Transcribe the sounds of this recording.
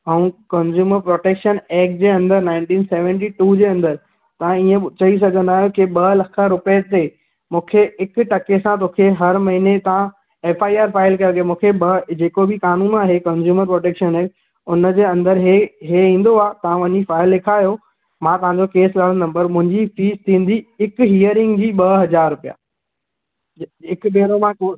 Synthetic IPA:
ɐ̃ũkɐnzjuːməɾpɾoːʈeːkʃəneːk̚d͡ʑeːɐ̃nd̪əɾnaːɪ̃ɳʈĩːnseːʋɛ̃ɳʈ̬iʈuːd͡ʑeːɐ̃nd̪əɾ | t̪ɐʋ̤ãiẽt͡ɕɐis̬ɐɡʱə̃nd̪aːɦjokɪɓɐlɐkʰəɾʊpt̪e | mũːkʰeɪkʈɐkesãt̪̬oːkʰeɦɐɾmɐɦinet̪ɐʋã | eːfaːiaːɾfaːɪlkɐɾɡemũːkʰebɐd͡ʑeːkobɪkaːnũːnaːɦekɐ̃nzjuːməɾpɾoːʈeːkʃənɦe | ʊnə̆d͡ʑeːɐ̃nd̪əɾɦeɦeĩːn̆d̪oaːt̪ɐʋ̤ãʋɐ̃ɲifaːɪlːekʰaːjo | mãːt̪ɐʋ̤ɦãɲd͡ʑokeːslaːɽə̃nd̪ɐ̃mbɐɾmʊ̃ɦɪ̃ɲd͡ʑifiːst̪ʰĩːn̆d̪iɪkɦiːəɾɪ̃ŋɡd͡ʑiːɓɐɦɐzaːɾːʊpija̰ː | ɪkbeːɾomãko

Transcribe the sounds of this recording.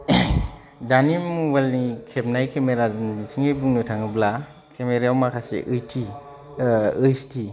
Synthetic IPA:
danimubalnikʰep̚najkʰemeɾaznbitʰiŋejbuŋnɯtʰaŋɯbla | kʰemeɾawmakʰasḛʔɯjtʰi | ɯjstʰi

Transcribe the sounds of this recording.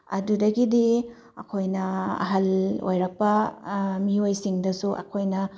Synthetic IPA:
ɐ̰dudɐɡidi | ɐ̰kʰojnɐɐ̰ɦɐlo̰jɾɐk̚pɐmiojsiŋdɐsuʔɐ̰kʰojnɐ

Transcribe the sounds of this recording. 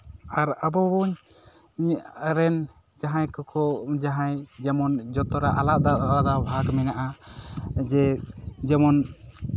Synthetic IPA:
aɾabɔbuɲ | ɲɾɛn | d͡ʒaɦajkɔkʰɔd͡ʒaɦajd͡ʒɛmɔnd͡ʒɔt̪ɔɾaʔalaʔ̚d̪aɾad̪abʱakmɛnaʔa | d͡ʒɛd͡ʒɛmɔn

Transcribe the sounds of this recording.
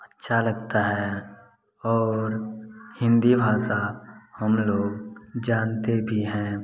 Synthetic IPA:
ətːʃʰaləɡt̪aɦɛ | ɔːɾhɪ̃nd̪ibʱaːsahɐmloːɡd͡ʒaːnt̪ebʱiɦɛ̃ː

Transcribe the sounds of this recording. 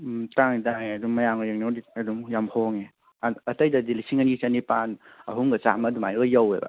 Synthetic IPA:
taŋetaŋeɐduŋmɐjamɡajiŋnawdiɐduŋjamhoŋe | ɐtɐjdɐdilisiŋanit͡ʃɐnipanɐ̰ɦumɡɐt͡ʃa̰mɐduma̰jɡɐjawḛbɐ̰

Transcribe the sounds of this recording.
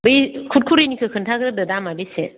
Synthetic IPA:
bɯjkʰut̚kʰuɾinikʰɯkʰɯntʰaɡɾɯdɯdamabise

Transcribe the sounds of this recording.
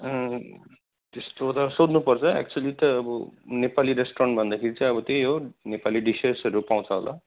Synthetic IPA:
ʌ | t̪est̪ot̪ʌsod̪nupʌrt͡sʰʌɛ̰k̚t͡ʃuʌlit̪ʌːbʌnepaliɾesʈoʌɳʈbʱʌnd̪akʰeɾit͡sãj̃ʌbʌt̪ejɦonepaliɖisesʌɾupaw̃t͡sʰʌɦolʔa̰

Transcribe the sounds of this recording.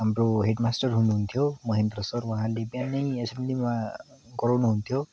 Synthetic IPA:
amɾoɦeɖmasʈɔɹɦunɦunt̪ʰijomɔɦend̪ɾɔsɔɾwãɦãlebijanejesemlima | ɡɔɾɔnuɦunt̪ʰijo

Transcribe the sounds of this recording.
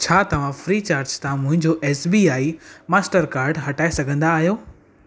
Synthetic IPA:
t͡ɕʰaːt̪ɐʋ̤ãfɾiːt͡ɕaːɾd͡ʑt̪ʰãmʊ̃ɦɪ̃ɲd͡ʑoʔɛːsbiːaːimaːsʈəɾkaːɾɖɦɐʈaːesɐɡʱə̃nd̪aːɦijoː

